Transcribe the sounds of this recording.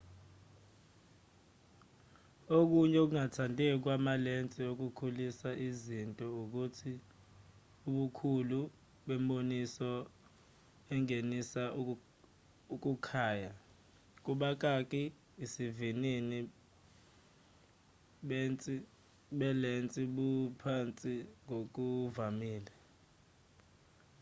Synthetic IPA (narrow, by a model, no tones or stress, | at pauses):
ok̬uɲɛk̬uŋatʰantʼɛk̬wamalent͡sʼiok̬ukʰulisaʔizintʼɔuk̬utʰi | uɓukʰulu | ɓɛmɓonisɔ | ɛŋenisa | uk̬ʼukʰaːja | k̬uɓak̬ak̬ʼi | isivinini | ɓɛnt͡sʼi | ɓɛlent͡sʼiɓupʰant͡sʼiŋok̬uvamiːlɛ